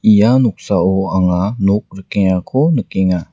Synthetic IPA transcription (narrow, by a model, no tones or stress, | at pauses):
ijanɔk̚saɔaŋanɔk̚ɾəkeŋakʰɔnəkeŋa